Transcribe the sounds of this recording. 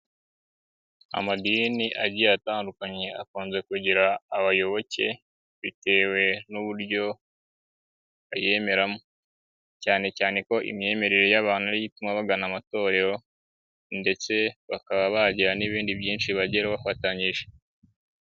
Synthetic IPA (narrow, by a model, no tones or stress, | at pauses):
a̰madiniʔaɟijataːndukaɲe̞akuːnze̞kuɟiɾaːβajo̞βo̞ce̞ | βite̞ːwe̞nuβuɾɟo̞ | βaje̞ːme̞ɾamo | caːne̞caːne̞ko̞ʔḭmɲe̞ːme̞ɾe̞ɾejaβaːnuɾiɟitumaβaɡanamato̞ːɾe̞ɾo̞ | nde̞t͡se̞βakaβaβaɟiɾaniβiːndiβjiːnt͡ʃʃiβaɟeɾeβafataɲiʒe̞